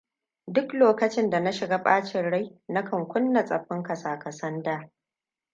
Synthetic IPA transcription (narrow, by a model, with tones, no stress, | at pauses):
dʊ˦kloː˨kɐ˨t͡ʃɪ˦nda˨na˦ʃɪ˨ɡaː˦ɸʼaː˦t͡ʃɪ˨nɽa˦jna˦kʰɐ˨ŋkʷʊ˦nːa˨sʼɐ˨ɸɪ˦ŋkɐ˨saː˨kɐ˨sɐ˦ndaː˦